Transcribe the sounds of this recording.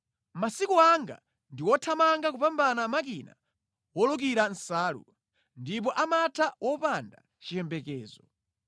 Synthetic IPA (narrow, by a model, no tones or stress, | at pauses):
masikuaŋɡa̰ | ndiwɔtʰamaŋɡakupambanamakina̰ | wɔluk̬iɾan̩saːlṵ | ndip̬ɔʔamatʰawɔpanda̰ | t͡ʃijɛmbɛkɛːzɔ